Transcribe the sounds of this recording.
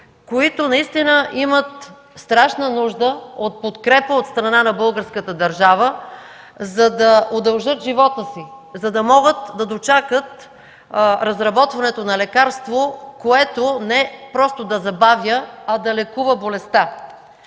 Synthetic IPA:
koit̪onɐist̪inəʔimət̪̚ | st̪ɾaʃnənuʒd̪əot̪̚pot̪kɾɛpəot̪st̪ɾɐnanɐbɤlˠɡəɾskət̪əd̪ɐɾʒavə | zɐd̪ɐod̪ɐlˠʒɤt̪ʒivɔt̪əsizɐd̪ɐmɔɡət̪d̪ɐd̪ot͡ʃakət̪ | ɾɐzɾɐbɔt̪vɐnɛt̪onɐlɛkaɾst̪vokoɛt̪onɛpɾɔst̪od̪ɐzɐbavjəɐd̪ɐlɛkuvəbolɛst̪a

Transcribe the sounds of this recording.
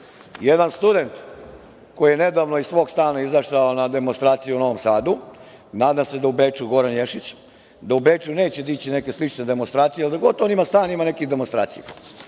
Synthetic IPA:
jed̪anst̪ud̪e̞nt̪ | ko̞jijene̞d̪aːʋnoissʋo̞ːɡst̪aːnaizaʃaonad̪e̞monst̪ɾaːt̪sijuno̞ʋomsaːd̪u | naːd̪amse̞d̪aubet͡ʂuɡo̞ɾanjeʂit͡ɕ | d̪aube̞ːt͡ʂune̞ːt͡ɕed̪it͡ɕine̞ke̞slit͡ʂne̞d̪e̞monst̪ɾaːt̪sijeald̪aɡot̪o̞nimast̪aːnimane̞kiɣd̪e̞monst̪ɾa̰ːt̪sijḛ

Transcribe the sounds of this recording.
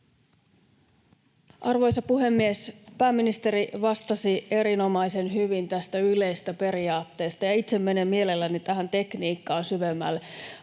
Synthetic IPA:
ʔɑrʋo̞jsɑpuɦe̞mːiespæːmːinist̪e̞ɾiʋɑst̪ɑsie̞ɾino̞mɑjse̞nɦyʋint̪æst̪æyle̞jst̪æpe̞ɾiɑːt̪ːe̞ːst̪ɑjɑit̪se̞mːe̞nemːie̞le̞lːænit̪æɦænt̪e̞kniːkːɑːnsyʋemːæ̰lːe

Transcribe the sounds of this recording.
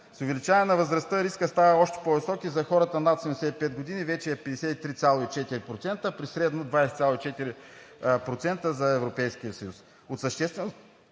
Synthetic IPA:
sʊvɛlit͡ʃavɛnɐvəzɾɐst̪əɾiskəst̪avəɔʃt̪ɛ̥povɪsɔkizɐxɔɾɐt̪ənat̪sɛmd̪ɛsɛt̪ipɛd̪̚ɡod̪inivɛt͡ʃɛɛpɛd̪ɛsɛt̪it̪ɾit̪sʲalˠoit͡ʃɛt̪iɾipɾot̪sɛnt̪əpɾisɾɛd̪nod̪vajsɛt̪sʲalˠoit͡ʃɛt̪iɾipɾot̪sɛnt̪əzɐɛvɾopɛjskijəsɐjus | ot̪səʃt̪ɛst̪vɛno

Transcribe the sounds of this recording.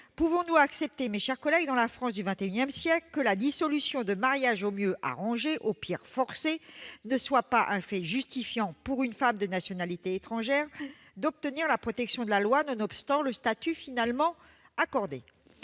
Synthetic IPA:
puvɔ̃nuaksɛp̚t̪emeʃɛʁkɔlɛɡd̪ɑ̃lafχɑ̃s̬d̪yvɛ̃t̪eynjɛmsjɛklkəlad̪isɔlysjɔ̃d̪əmaʁjaʒomjøʔa̰ʁɑ̃ʒeʔopʰiʁfɔʁsenəswapaʔɛ̃fɛʒyst̪ifjɑ̃puʁynfamd̪ənasjɔnalit̪eːt̪χɑ̃ʒɛʁ | d̪ɔp̚t̪əniʁlapχɔt̪ɛksjɔ̃d̪əlalwanɔ̃nɔpst̪ɑ̃ləst̪at̪yfinalmɑ̃ | akɔʁd̪ḛ

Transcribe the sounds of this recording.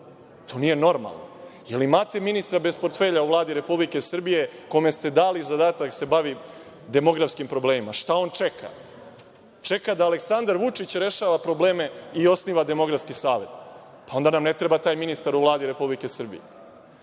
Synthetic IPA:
t̪ʰo̞ːnije̞no̞ɾma̰lˠno̰jelimaːt̪e̞minist̪ɾabespo̞ɾt̪fe̞ːʎauʋlˠaːd̪iɾe̞publike̞sr̩bije̞ko̞me̞st̪e̞d̪aːlizad̪aːt̪akse̞baʋi | d̪e̞mo̞ɡɾafskimpɾo̞bleːmimaʃt̪ao̞ːnt͡ʃe̞kʰa̰ | t͡ʂekad̪aːleksand̪aɾʋut͡ʂit͡ɕɾe̞ʃaːʋapɾo̞ble̞ːme̞io̞sniːʋad̪e̞mo̞ɡɾafskisaːʋe̞t̪ | pao̞nd̪anamnet̪ɾe̞bat̪aːjminist̪aɾuʋlˠaːd̪iɾe̞publike̞sr̩bḭjḛ

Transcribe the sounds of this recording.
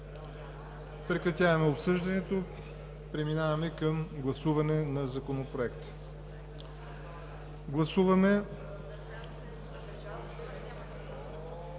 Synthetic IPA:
pɾɛkɾɐt̪ʲjavɐmɛopsɤʒd̪ɐnɛt̪o | pɾɛminavɐmɛkɐmɡlˠɐsuvɐnɛnɐzɐkonopɾoɛkt̪ | ɡlˠɐsuvɐmɛ

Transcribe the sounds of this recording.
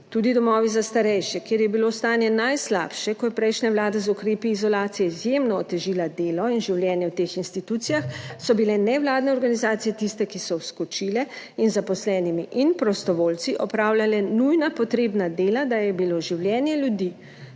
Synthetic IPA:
t̪uːd̪id̪ɔmɔːʋizast̪aɾɛjʃɛkjeːɾjɛbilost̪aːnjɛnajsla̰ːpʃɛkɔjɛpɾɛjʃnawlaːd̪azukɾeːpiːzɔlaːt̪sijɛizjemnɔːt̪ɛʒiːlad̪eːlɔinʒiwljɛːnjɛwt̪eːxinst̪it̪ut̪sijaxsɔbilɛnɛwlaːd̪nɛɔɾɡanizaːt̪sijɛt̪ist̪ɛkisɔwskɔt͡ʃiːlɛ | inzapɔslɛːnimiʔinpɾɔst̪ɔʋoːlt̪siʔɔpɾawlʲjalɛnujnapɔt̪ɾeːbnad̪eːlad̪ajɛbiloʒiwljɛːnjɛlʲjud̪i

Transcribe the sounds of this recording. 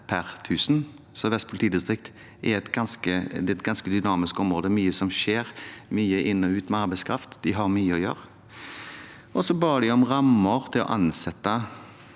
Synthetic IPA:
pʰæʁt̪ʰʉːsn | sɔʋɛst̪pʰʊlt̪iːd̪ɪst̪ʁɪkt̪ | ʔɛɾɛt̪ɡɑnskəd̪ɛɛt̪̚ɡɑnskəd̪ʏnɑːmɪskɔmɾʁoːd̪əmyːəsɔmʃeːɾmyːəʔɪnːɔʉːt̪mɛɑɾbæɛɪskʰɾɑft̪d̪ɪɦɑɾmyːəɔjø̰ːɾ | ʔɔsɔbɑːd̪ɪɔmʁɑmːəɾt̪ʰɪlɔ̰ʔɑnsɛt̪ːə

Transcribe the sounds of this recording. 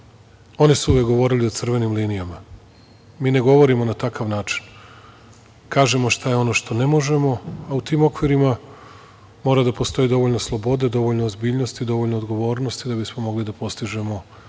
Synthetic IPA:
o̞nisuuʋjek̚ɡo̞ʋo̞ːɾilio̞t̪sr̩ʋe̞nimliːnijama | miːne̞ɡo̞ʋo̞ɾimo̞nat̪akaʋnaːt͡ʃi̥n | kaːʒe̞mo̞ʃt̪ajeo̞no̞ʃt̪o̞ne̞mo̞ʒe̞mo̞aut̪iːmo̞kʋiɾima | mo̞ːɾad̪apo̞st̪o̞jid̪o̞ʋo̞ʎnoslˠo̞bo̞d̪e̞d̪o̞ʋo̞ʎnoːzbiːʎno̞st̪id̪o̞ʋo̞ʎnoːd̪ɡo̞ʋo̞ːɾno̞st̪id̪abismo̞mo̞ɡlid̪apo̞st̪iʒe̞mo̞

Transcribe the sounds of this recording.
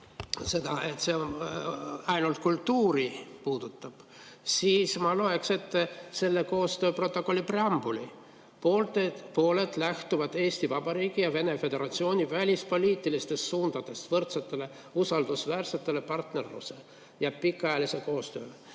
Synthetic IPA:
se̞d̪̥ɑe̞t̪se̞o | ɑjnult̪̚kult̪ːuːɾipuːd̪̥ut̪ˑːɑb̥ | siːsmɑlo̞e̞kse̞t̪ːse̞lːe̞ko̞ːst̪ø̞ːpro̞t̪ːˑo̞kˑolʲːipre̞ɑmb̥uli | poːlt̪epo̞ːle̞d̪læht̪uvɑd̪e̞ːst̪ivɑb̥ɑɾiːɡ̥ijɑve̞ne̞fe̞d̪̥e̞ɾɑt̪sio̞ːnʲivælʲispo̞lʲiːt̪ˑːilist̪e̞st̪suːnd̪̥ɑd̪̥e̞st̪vɤrt̪set̪ːˑe̞le̞ | usɑld̪̥usvæːrse̞t̪ːe̞le̞pɑrt̪ne̞rlṵse̞ | jɑpikːˑɑjɑlise̞ko̞ːst̪ø̞ː

